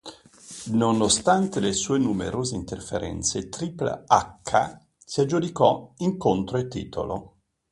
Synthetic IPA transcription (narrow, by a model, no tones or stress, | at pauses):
nonost̪ant̪elesuːenumḛɾoːzeint̪erfḛɾʔɛ̰nt̪set̪ɾiːpl̰akʰːa̰ | siad͡ʒːud̪ikɔiŋkont̪ɾoet̪ːḭːt̪o̰lo̰